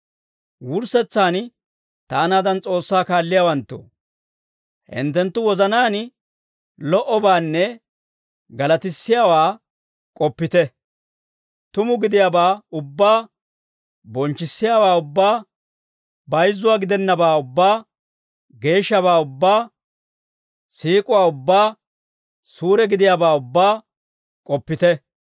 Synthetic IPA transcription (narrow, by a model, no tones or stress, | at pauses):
wʊɾsɛt͡sːaːn | t̪aːnaːd̪ɐnt͡sʼo̞ːsːaːkaːlːɪjaːwɐnt̪ːo̰ː | hɪ̰nt̪ːɛnt̪ːʊwɔzɐnaːn | lɔʔɔbaːnːɛ | ɡɐlɐt̪ɪsːɪjaːwaː | kʼɔpːɪt̪ɛ | t̪ʊmʊɡɪd̪ɪjabaːʊbːaː | bɔnt͡ʃːɪsːɪjaːwaːʊbːaː | bɐjzːʊwaːɡɪd̪ɛnːɐbaːʊbːaː | ɡe̞ːʃːɐβaːʊbːaː | siːkʼʊwaːʊbːaː | suːɾɛɡɪd̪ɪjaːbaːʊbːaː | kʼɔpːɪt̪ɛ